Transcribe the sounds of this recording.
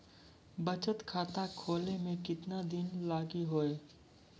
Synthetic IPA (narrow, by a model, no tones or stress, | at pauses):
bɐt͡ʃət̪kʰaːt̪akʰoːlemẽkɪt̪nad̪ɪnlaːɡiɦoːeː